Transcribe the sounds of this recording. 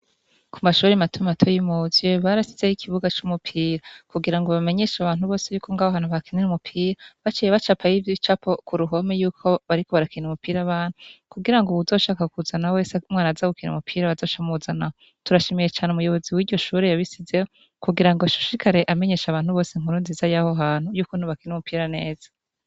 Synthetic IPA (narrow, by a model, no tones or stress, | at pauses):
kʰumaʃuːɾematʰumatʰojimuzeβaɾasiz̥ejikʰiβuɡat͡ʃumupʰiːɾakuɡiɾaŋɡo̞βame̞ɲe̞ːʃaβaːn̥huβo̞ːse̞juːkʰo̞ŋɡawaβaːnhuβakinenumupʰiːɾaβat͡ʃijeβat͡ʃapʰajivjit͡ʃapokuɾuɦo̞mejuːkʰo̞βaɾiko̞βaɾakineumupiːɾaβaːn̥hukuɡiɾaŋɡouzo̞ʃaːkakuzanawe̞ːsamŋaːnazaɡukinḛmupʰiːɾaβazo̞ːʃamuzanaho | tuɾaʃe̞mejet͡ʃaːneumujo̞βo̞ziwiːdɟo̞ʃuːɾejaβisizejo | kuɡiɾaŋɡoaʃu̥ʃikʰaɾe̞ʔame̞ɲe̞ːʃaβaːnhuβo̞ːseŋ̥uɾuːnzizajahoɦaːn̥hujuːkonhuβakinumupʰiːɾane̞ːz̥a